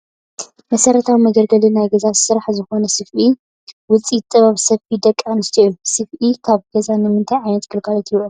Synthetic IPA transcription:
mɐsɐɾɐt̪ʰawimɐɡɐɾɡɐlinajɡɐzasɨɾaħzɨxo̞nɐsɨfi | wʊt͡sʼit̪ʼːɨβaβsɐfid̪ɐkʼːanɨst̪ʰɐʔilusɨfʔikʰaβɡ̥ɐzanɨmɨnt̪ʰajʕajnɐt̪kʰɨlkʰalɐt̪ʰiβo

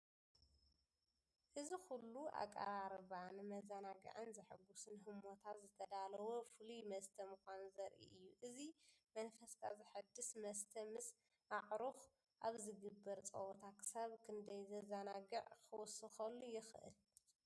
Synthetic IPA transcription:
ʔɨzixulːua̰kʼːɐ̰ɾaɾβanmɐzɐnaɡɨ̰ʕɨnzɐħɨɡusɨnɦɨmo̞t̪ʰat̪zɨt̪ʰɐd̪alɐwofɨlumɐst̪ʰɐmɨkʷanzɐɾʔḭʔɨjːuʔɨzimɐnfɐst̪ʰazɨħɨd̪ːɨsmɐst̪ʰɐmɨs | aʕɾux | ʔaβzɨɡɨbːɐɾt͡sʼɐ̰wot̪ʰakʰɨ̥saβkʰɨnd̪ɐjzɐzɐnaɡɨʕkʰɨwɔsɨxɐlːujɪxʔɨ̰l

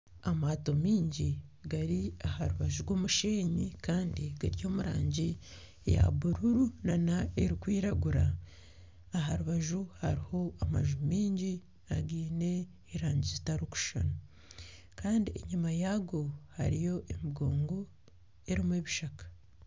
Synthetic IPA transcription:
amaːto̞miːɲɟiɡaɾiahaɾuβaʒuɾɡwo̞ːmuʃeːɲikaːndiɡaɾjo̞ːmuɾa̰ːɲɟi | ja̰βuɾuɾunanaeɾikwiːɾaɡuɾaː | ɦaɾuβaʒuhaɾiho̞ama̰ʒumiːɲɟi | aɡiːne̞ː | ɾaːɲɟizitaɾuku̥ʃa̰n | kaːndiḛɲumajaɡo̞ha̰ɾijo̞ʔemiɡo̞ːŋɡo̞ | eɾimweβiʃakḁ

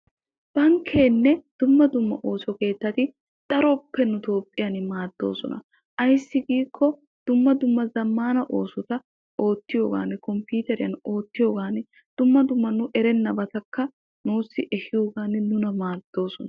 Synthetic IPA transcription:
b̥ɐŋkʰːe̞ːnːɛd̪̥ʊmːɐd̪ʊmːɐʔoːsɔke̞ːt̪ːɐt̪ɪ | d̪̥ɐɾɔpːɛnʊt̪o̞ːpʼːɪjɐnmaːd̪̥ːo̞̰ːsɔ̰nɐ̰ | ʔɐjɪsːɪɡiːkʰːɔ | d̪̥ʊmːɐd̪ʊmːɐzɐmːaːnɐʔo̞ːsɔt̪ɐ | o̞ːt̪ːɪjo̞ːɡa̰ːnːɪkɔmpuːt̪ɛɾɪjɐ̰no̞ːt̪ːɪjo̞ːɡaːn | d̪̥ʊmːɐd̪ʊmːɐnʊʔɛɾɛnːɐbɐt̪ɐkːɐ | nuːsːɪʔɛhɪjo̞ːɡaːnɪnʊnɐmaːd̪̥ːo̞ːsɔnɐ

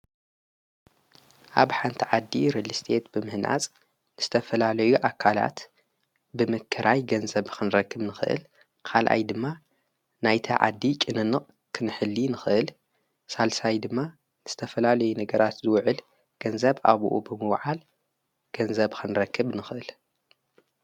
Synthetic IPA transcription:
ʔaβħant̪ʰiʕad̪ːiɾɨlːɨst̪ʰe̞t̪bɨmɨhnʔa̰t͡sʼ | nɨz̥ɨt̪ʰɐfɐlalɐjuʔakʰala̰t̪ | bɨmɨkʰːɨɾʔajɡɐnzɐβkʰɨnɾɐkːɨβnɨxɨʔɨ̰l | kʰalʔa̰jd̪ɨmːa | najt̪ʰɐʕa̰d̪ːit͡ʃʼɨnɨnːɨqʼ | kʰɨnɨħɨlːinɨxɨʔɨl | salsajd̪ɨmːa | nɨz̥ɨt̪ʰɐfɐlalɐjunɐɡɐɾat̪zɨwʕɨl | ɡ̥ɐnzɐβʔa̰β̰ʔubɨmɨwʕal | ɡ̥ɐnzɐβkʰɨnɾɐkʰːɨβnɨxɨʔɨl

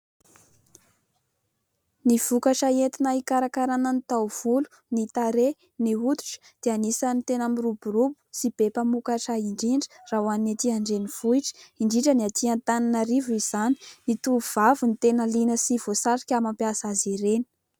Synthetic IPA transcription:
niv̥ukaʈ͡ʂaet̪inaikaɾakaɾananit̪awv̥ulu̥ | nit̪aɾe | niut̪u̥ʈ͡ʂə̥d̪̥eanisanit̪enamiruburubu̥sib̥epamukaʈ͡ʂaiɳɖ͡ʐiɳɖ͡ʐə̥rawaninat̪iaɳɖ͡ʐeniv̥uiʈ͡ʂə̥iɳɖ͡ʐiʈ͡ʂəniat̪ʰiant̪ananəɾivuiz̥ani̥nit̪uv̥avunit̪enəlinəsivosaɾikʲamampiasaziɾeni̥

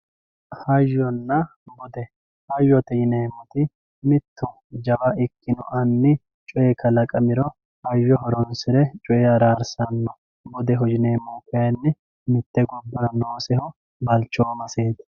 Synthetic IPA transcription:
hɐjːɔnːɐ | bɔd̪ɛ | hɐjːɔt̪ɛjɪneːmɔt̪ɪ | mɪt̪ːʊ | d͡ʒɐbɐʔɪkːɪnɔ̰ʔɐnːɪ | t͡ʃʼɔʔekːɐlɐkʼɐmɪɾɔ | hɐjːɔɦɔɾɔnsɪɾɛt͡ʃʼɔʔɛɐɾaːɾsɐnːɔ | bɔd̪ɛɦɔd͡ʒɪneːmoːkɛjɐnːɪ | mɪt̪ːɛɡɔbːɐɾɐnoːsɛhɔ | bɐlt͡ʃːoːmɐseːt̪

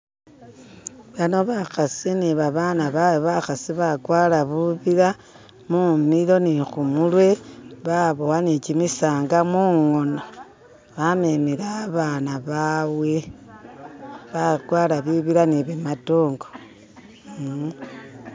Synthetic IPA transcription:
βano̞βaxasiniβaβanaβaβaxasiβaɡwaːlaβuβiɾa | mumilo̞nixumulwe̞βaβowanicimisaːŋɡamuŋo̞no̞ | βamemiɾaːβanaβawe̞ | βaɡwaːlaβiβiɾaniβematoːŋɡo

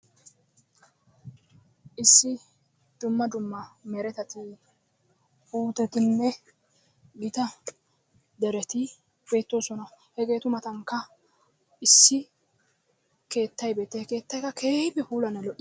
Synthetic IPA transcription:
ʔɪsːɪ | d̪ʊmːɐd̪ʊmːɐmɛɾɛt̪ɐt̪ɪ | uːt̪ɛt̪ɪnːɛ | ɡɪt̪ɐ | d̪ɛɾɛt̪ɪ | be̞ːt̪ːo̞ːsɔnɐ | hɛɡe̞ːt̪ʊmɐt̪ɐŋkːɐ | ɪsːɪ | ke̞ːt̪ːɐjbe̞ːt̪ːɛke̞ːt̪ːɐjkɐkʰeːpɛpuːlɐnɐlɔʔː

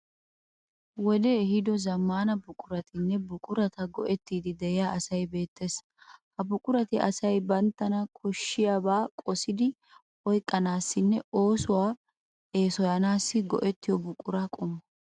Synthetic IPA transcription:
wɔd̪eːhɪd̪ɔzɐmːaːnɐbʊkʼʊɾɐt̪ɪnːɛbʊkʼʊɾɐt̪ɐɡɔʔɛt̪ːiːd̪ɪd̪ɛjɪjaːɐsɐjbe̞ːt̪ːe̞ːs | hɐbʊkʼʊɾɐt̪ɪʔɐsɐjbɐnt̪ːɐnɐkʰɔʃːɪjaːbaːkʼɔsɪd̪ɪ | ɔjkʼːɐnaːsːɪnːɛo̞ːsʊwaː | e̞ːsɔjɐnaːsːɪɡɔ̰ʔɛt̪ːɪjɔbʊkʼːʊɾɐkʼʊmːɐ

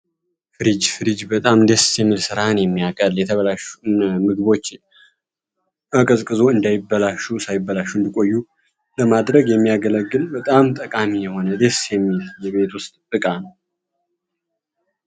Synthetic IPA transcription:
fɨɾid͡ʒfɨɾid͡ʒbət̪ʼamd̪esjɛmːɨlsɨɾaɨnjɛmːiakʼəljɛt̪ʰəβəlaʃunmɨɡɨβo̞t͡ʃː | ʔakʼəsʼkʼɨzo̞ɨnd̪ajɪbːəlaʃusajɪbːəlaʃːuɨnd̪ikʼo̞jːu | ləmad̪ɾəɡjɛmːijaɡələɡːɨlbət̪ʼamt̪ʼəkʼamijɛho̞nəd̪esjɛmːiljɛβe̞t̪wʊst̪ʼɨkʼanəw

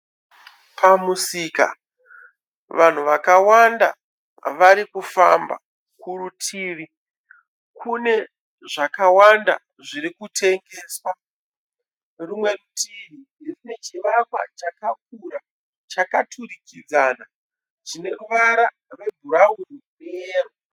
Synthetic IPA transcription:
pʰamusika̰ | ʋan̤uʋakawanda̰ | ʋaɾikufa̰mba̰ | kurutʰiːʋi | kʰune̞ | ʐakawanda̰ | ʐiɾikutʰe̞ŋɡe̞ːswa | rumwe̞rutʰiʋi | erinet͡ʃiʋakwa̰t͡ʃakak̚uɾa | t͡ʃakatʰuɾikid͡zaːna | ʐine̞ruʋaɾa | rwe̞bʱuɾaurineeːroo

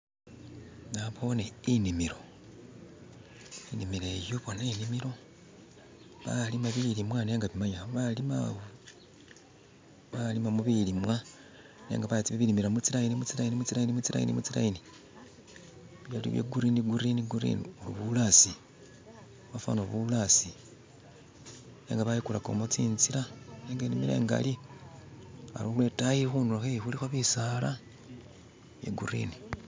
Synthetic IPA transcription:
naβo̞neinimiɾo̞ | inimiɾe̞joβonainimiɾo̞ | βalimaβilimwaneːŋɡaβimaɲaβoβalima̰βo | βalimamuβilimwa | nḛːŋɡaβatiβiβilimiɾamut͡siɾainimut͡siɾainimut͡siɾainimut͡siɾa̰jḭnḭmut͡siɾa̰ini | βjalḭβjḛɡuɾiniɡuɾiniɡuɾḭnḭuluβulasi | βafa̰noβulasi | nḛŋɡaβaikulako̞̰mot͡siːnziɾaneːŋɡanimiɾḛŋɡa̰li | a̰lolwetajiɾixunulaxejixulixoβisala | βjḛɡuɾḭni

